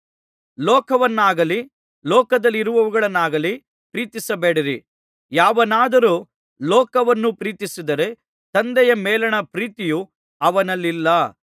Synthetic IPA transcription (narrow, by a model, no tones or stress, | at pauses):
lɔːkɐʋɐnːaːɡɐli | lɔːkɐd̪ɐlːiɾuʋɐʋuɡɐɭɐnːaːɡɐli | pɾiːt̪isɐbeːɽiɾi | jaːʋɐnaːd̪ɐɾuː | lɔːkɐʋɐnːupɾiːt̪isid̪ɐɾe̞ | t̪ɐnd̪ɛjɐmɛːlɐɳɐpɾiːt̪iju | ɐʋɐnɐlːilːɐ